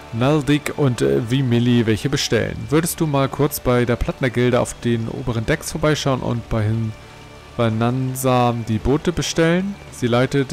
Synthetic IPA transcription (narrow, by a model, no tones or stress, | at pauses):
naldɪkʔʊntvimɪlivɛlçəbəʃtɛ̰lə̰nvʏɐɾəst̚d̥uːmaːlkʰʊɐt͡sb̥aɪdeːɐpʰl̥atnɐɡɪldəa̰ʊfd̥eːnʔo̰ːbəʁəndɛksfoɐbaɪʃaʊənʔʊ̰ntb̥aɪɪn | vananzadiːboːtəbəʃtɛlən | z̥iːlaɪtət